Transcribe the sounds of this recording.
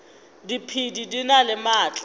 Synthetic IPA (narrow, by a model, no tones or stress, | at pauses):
dipʰididinalɪmaːt͡ɬʼ